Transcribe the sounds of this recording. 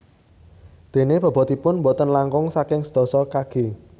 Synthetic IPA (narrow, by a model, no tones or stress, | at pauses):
d̪̥e̤neb̥ɔ̤b̥ɔ̤t̪ipʊnmbɔt̪ənlaŋkʊŋsakɪŋsəd̪̥ɔ̤sɔkaɡ̥e̤